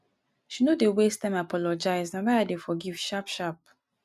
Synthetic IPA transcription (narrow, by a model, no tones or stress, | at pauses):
ʃinodewestãmapʰɔlɔd͡ʒaɪznamaadefɔɡiv̥ʃapʃap̚